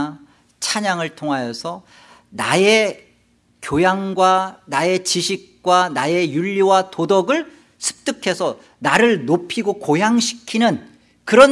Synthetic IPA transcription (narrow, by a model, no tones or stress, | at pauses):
t͡ɕʰaɲaŋɯɭtʰoŋɦajʌsʰʌ | na̰e̞ | kjojaŋɡwanae̞t͡ɕiɕʰik̚k͈wanaje̞juʎːiwatodʌɡɯɭ | sʰɯ̥p̚t͈ɯkʰe̞sʰʌ | naɾɯɭnopʰiɡokojaŋɕʰi̥kʰinɯn | kɯɾʌ